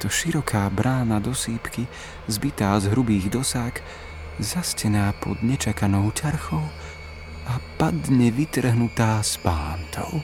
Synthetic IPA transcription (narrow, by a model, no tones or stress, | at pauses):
t̪ɔʃiɾɔkʰaːbɾʔaːnad̪ɔsiːpki | zbit̪aːzɦɾubiːɣd̪ɔsak | zascɛnaːpɔ̰d̪ɲɛt͡ʃakanɔʊt͡ʃaɾxɔʊ | apad̪ɲɛʋit̪r̩ɦnut̪aːspaːnt̪ʰɔ̰ʊ